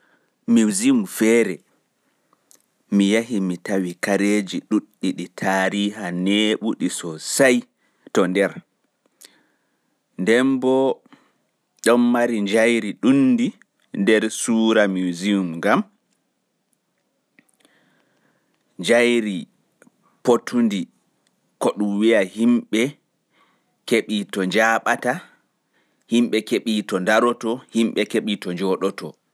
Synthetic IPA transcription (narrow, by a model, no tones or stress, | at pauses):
miwziumfɛːɾɛ | mijaɦimitawikaɾed͡ʒiɗuɗːiɗitʰaːɾiːɦaneːɓuɗisɔsaj | tɔndɛɾ | ndɛmbɔ | ɗɔmːaɾiɲd͡ʒajɾiɗundi | ndɛɾsuːɾamuziumŋɡam | ɲd͡ʒajɾi | potʰundi | kɔɗumwijahimɓɛ | keɓitɔɲd͡ʒaɓata | himɓɛkeɓitɔndaɾɔtɔhimɓɛkeɓitɔɲd͡ʒɔɗɔtɔ